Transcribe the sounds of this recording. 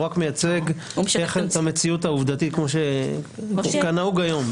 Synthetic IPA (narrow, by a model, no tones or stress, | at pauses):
ʁakmejat͡se̞ɡ | eχt̪amet͡siut̪auvd̪at̪it̪̚kmo̞ʃe | kanauɡajo̞m